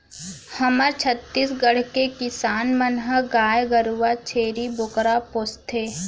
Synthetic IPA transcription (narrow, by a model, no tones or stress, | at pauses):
həməɾt͡ʃʰət̪ːisɡəɽ̤kekɪsaːnmənɦəɡaːjɡəɾuːat͡ʃʰeːɾibʱʊkɾapoːst̪ʰe